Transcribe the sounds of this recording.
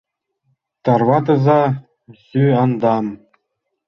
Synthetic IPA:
t̪ɑrvɑt̪ɤ̆zɑ | zyɑnd̪ɑm

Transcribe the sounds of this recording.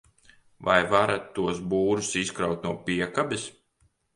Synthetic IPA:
vajvaɾat̪ːuɔs̬buːɾusiskɾawt̪nuɔpiɛkabis

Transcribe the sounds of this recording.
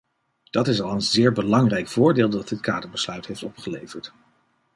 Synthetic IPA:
d̥ɑtɪsɑlˠənzɪːɹbəlɑŋrɛjkfʊːɹdeːlˠdɑt̚dət̚kaːdəɹbəslœɥtɦejftɔpχəlejvəɹt

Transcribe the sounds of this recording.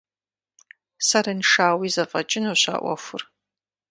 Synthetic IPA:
sɐɾɐnʂaːwizɐfʼɐt͡ʃʼɪnowɕʷa̰ːʔʷɐ̰xʷʊr

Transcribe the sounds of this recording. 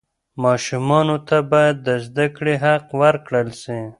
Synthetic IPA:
mɑːʃumɑnot̪ʰabɑjad̪ːəzd̪akɽiɦaqwaɾkɽəlsi

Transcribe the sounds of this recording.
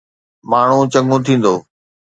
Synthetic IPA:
maːɳ̤ũt͡ɕɐ̃ŋɡũt̪ʰĩːn̆d̪oː

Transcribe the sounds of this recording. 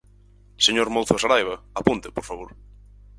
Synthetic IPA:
seɲoɾmolθʊasaɾajβ̞ɐapunt̪ɪpoɾfaβoɾ

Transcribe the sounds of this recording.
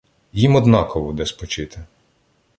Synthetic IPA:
jimɔd̪nɑkɔʋɔd̪ɛspɔt͡ʃɪt̪ɪ

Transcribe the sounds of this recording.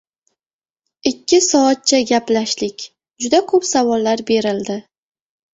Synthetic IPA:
ɪkʲːɪsɒat̪̚t͡ʃʰaɡʲaplaʃlɪkʲ | d͡ʒʊd̪akʰɵpsavɒlːaɾbe̞ɾɪld̪ɪ

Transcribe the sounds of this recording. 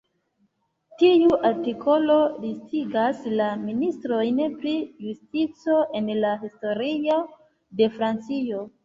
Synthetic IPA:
tiuʔaɾtikʰo̞lo̞listiɡaslaministɾo̞jneplijustit͡so̞ʔe̞nlaɦisto̞ɾio | de̞fɾant͡sio̞

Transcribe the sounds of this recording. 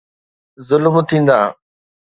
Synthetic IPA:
zʊlmt̪ʰĩːn̆d̪a̰ː

